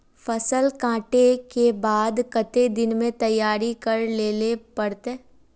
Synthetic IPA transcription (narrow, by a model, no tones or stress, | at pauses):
fɐsəlkãːʈekebaːd̪kɐt̪ed̪ɪnmẽt̪ɐjːaːɾikɐɾleːlepɐɽt̪eː